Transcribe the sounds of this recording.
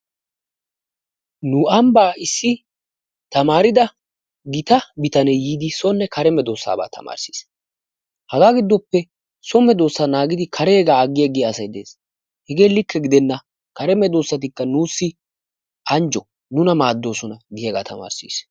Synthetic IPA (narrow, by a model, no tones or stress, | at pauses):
nʊɐmbaːɪsːɪ | t̪ɐmaːɾɪd̪ɐ | ɡɪt̪ɐbɪt̪ɐnɛjiːd̪ɪsɔnːɛkʰɐɾɛmɛd̪o̞ːsːa̰ːba̰ːt̪ʰɐ̰ma̰ːɾsi̥ːs | hɐɡaːɡɪd̪ːɔpːɛ | sɔmɛd̪o̞ːsːanaːɡɪd̪ɪkʰɐɾeːɡaːɐɡːɪjɐɡɪɐsɐjd̪e̞ːs | hɛɡe̞ːlɪkːɛɡɪd̪ɛnːɐ | kɐɾɛmɛd̪o̞ːsːɐt̪̬ɪkːɐnuːsːɪ | ʔɐnd͡ʒɔ | nʊnɐmaːd̪ːo̞ːsɔnɐɡɪjɐɡa̰ːt̪ɐ̰ma̰ːɾsḭːs